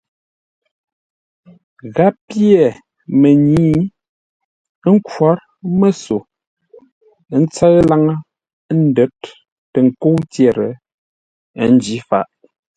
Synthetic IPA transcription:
ɣa˦pje˨ | me˨ɲiː˦ | ŋ̩˦kwa˦ɾ | mə˦so˨˦ | n̩˦t͡sə˦la˦ŋə˦ | n̩˦də˨˦t̚ː | ə˨ŋ̩˨ko˦tjɛ˨ɾə̰˨˦ | n˦d͡ʒi˨˦fa̰˦˨ʔ

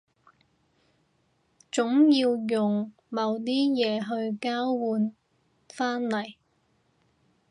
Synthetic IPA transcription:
t͡sʊ˨˥ŋjiː˧wjʊ˨˩ŋ | mɐ˨˩wt̪iː˥jɛː˨˧ɦɵ˧ɥkaː˥wwuː˨˧n | faː˥nlɐ˨˩j

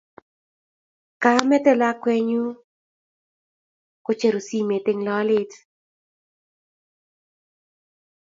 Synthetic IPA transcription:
ka˦mɛ˦t̪ɛ˦la˦kwɛ˦ɲu˦ | ko˦t͡ʃe˨ɾo˨si˦˨me˨t̪e˦ŋlɔ˦lɪ˦t

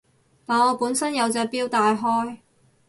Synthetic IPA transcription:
t̪aː˨˩nɔː˨˧puː˨˥nsɐ˥njɐ˨˧wt͡sɛː˧piː˥wt̪aː˨˧jɦɔː˥j

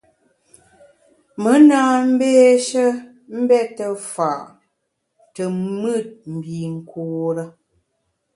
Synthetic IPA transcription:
mə˨˦naː˦m̩˦beː˦ʃə˦ | m̩˦bɛ˦tə˨fa˨ʔ | tə˨mɨ˦˨t̚m̩˨bi˨ŋ̩˨kʰoː˨ɾə˦

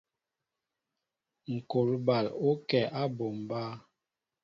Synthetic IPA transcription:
ŋ̩˨ko˨lba˨lo˦kɛ˨ʔa˦bo˨mba˦

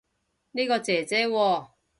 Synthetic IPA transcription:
niː˥kɔː˧t͡sɛː˨˩t͡sɛː˦˥wɔː˧˩

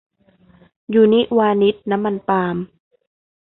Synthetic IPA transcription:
juː˨˩ni˦˥ʔwaː˧ni˦˥t̪̚na˦˥mːa˧npaː˧m

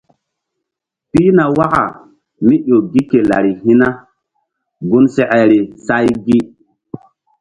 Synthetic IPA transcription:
pi˦na˨wa˦ka̰˨ | mi˦ɗo˨ɡi˦ke˨la̰˨ɾi˨ɦi˦na˦ | ɡu˦nsɛ˨ʔɛ˨ɾi˨sa˦jɡi˦

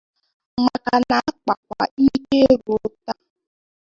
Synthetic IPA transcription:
ma˨ka˨na˨a˦k͡pa˨k̚ʷa̰˨i˦ke˦ɾu˨o˦ta˦

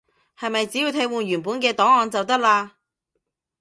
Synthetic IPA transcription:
hɐ˨jmɐ˨jt͡siː˨˥ji˧wt̪ʰe˧jwuː˨˩nɥyː˨˩npuː˨˥nkɛː˧t̪ɔː˨˥ŋɔː˨nt͡sɐ˨wt̪ɐ˥k̚laː˧

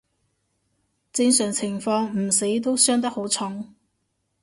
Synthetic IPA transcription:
t͡sɪ˧ŋsœː˨˩ŋt͡sʰɪ˨˩ŋfɔː˧ŋm̩˨˩se˨˥jt̪o˥wsœː˥ŋt̪ɐ˥k̚ho˨˥wt͡sʰʊ˨˥ŋ

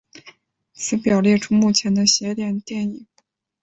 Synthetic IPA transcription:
t͡sʰɹ̩˧˥pjɑ˨˩ʊljɛ˥˩ʈ͡ʂʰu˥mu˥˩t͡ɕʰjɛ˧˥nd̪ə˧ɕjɛ˧˥t̪jɛ˨˩nt̪jɛ˥˩ni˨˩˦ŋ

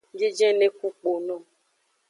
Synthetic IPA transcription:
d͡ʒe˦d͡ʒɛ̃˦ne˦ku˦k͡po˨nɔ̃˦˨

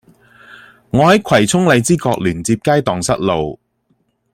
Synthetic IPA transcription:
ŋɔː˨˧hɐ˨˥jkʷʰɐ˨˩jt͡sʰʊ˥ŋle˨˧jt͡siː˥kɔː˧k̚lyː˨˩nt͡siː˧p̚kaː˥jt̪ɔː˨ŋsɐ˥t̚lo˨w

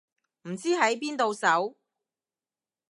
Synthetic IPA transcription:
m̩˨˩t͡siː˥ɦɐ˨˥jpiː˥nt̪o˧wsɐ˨˥w

